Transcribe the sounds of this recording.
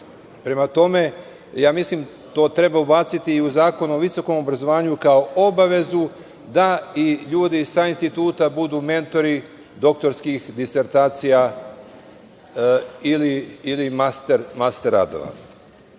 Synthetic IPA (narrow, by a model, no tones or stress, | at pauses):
pɾe̞mat̪o̞me̞ | jaːmislim | t̪o̞ːt̪ɾe̞baubat̪sit̪iːuzaːko̞no̞ʋiso̞ko̞mo̞bɾazo̞ʋaːɲukao̞ʔobaʋe̞zu | d̪aiʎuːd̪isainst̪it̪uːt̪abud̪uːme̞nt̪o̞ɾi | d̪o̞k̚t̪o̞ɾskixd̪ise̞ɾt̪aːt̪sija | iliːlimast̪eɾmast̪eɾa̰d̪o̞̰ʋa̰